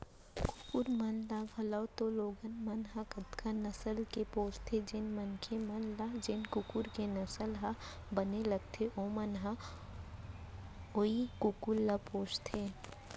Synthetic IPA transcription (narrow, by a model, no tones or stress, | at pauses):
kʊkʊɾmɐnlaɡʱɐləwt̪oloːɡənmɐnɦakəd̪kʰanɐsəlkepoːt͡ʃt̪ʰed͡ʒɪnmɐnkʰemɐnlad͡ʒɪnkʊkuɾkenɐsəlɦa | bɐneləɡ̚t̪ʰeʔoːmənɦa | oikʊkulːapoːt͡ʃt̪ʰeː